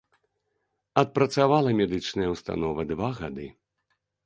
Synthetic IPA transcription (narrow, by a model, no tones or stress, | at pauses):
ɐt̪̚pɾɐt̪savalˠɐmʲɛd̪ɨt͡ʂnɐjɐwst̪a̰nɔvɐd̪vaɣad̪ɨ